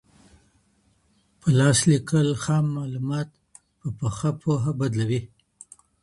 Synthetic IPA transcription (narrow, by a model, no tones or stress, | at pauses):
pʰəlɑslikəlxɑmːɑlumɑt̪ | pəpəxapʰoɦabad̪lawi